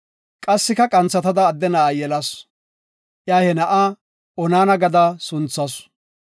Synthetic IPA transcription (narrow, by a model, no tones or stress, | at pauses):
kʼɐsːɪkɐkʼɐnt͡sːɐt̪ɐd̪ɐːd̪ːɛnɐajɛlɐs | ʔjaːhɛnɐʔaː | ɔnaːnɐɡɐd̪ɐsʊnt͡sːɐs